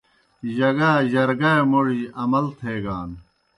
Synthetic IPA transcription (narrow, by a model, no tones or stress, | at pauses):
ʑɐɡaːʑɐɾɡɐemoʐiɐmɐlt̪ʰeːɡaːn